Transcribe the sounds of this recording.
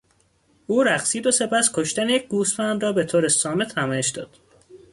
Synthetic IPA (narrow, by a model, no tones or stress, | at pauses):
uːɾæxsiːd̪o̞se̞pʰæskʰo̞ʃt̪ænejec̚ʰɡuːsfænd̪ɾɒːbet̪ʰoːɾesɒːmet̪ʰːæmɒːjeʃd̪ɒ̰ːd̪̥